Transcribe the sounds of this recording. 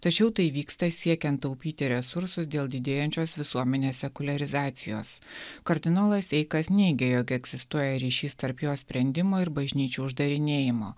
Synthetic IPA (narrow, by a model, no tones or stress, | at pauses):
t̪ɐt͡ʃʲɛʊt̪ɐɪʋʲiːkst̪ɐsʲiɛkʲɛnt̪ːɐʊpʲiːt̪ʲɪɾʲɛsʊɾsʊsd̪ʲeːlˠd̪ʲɪd̪ʲeːjɛnʲt͡ʃʲoːsʋʲɪsuɔmʲɛnʲeːssʲɛkʊlʲɐɾʲɪzɑːt̪sʲɪjo̰ːskɐɾʲd̪ʲɪnoːlˠɐsɛɪkɐsnʲɛɪɡʲejoːɡʲɛɡzʲɪst̪uɔjɛɾʲiːʃʲiːst̪ɐɾpjoːsʲpʲɾʲɛnʲd̪ʲɪmoːɪɾbɐʒʲnʲiːt͡ʃʲuːʊʒd̪ɐɾʲɪnʲeːjɪmoː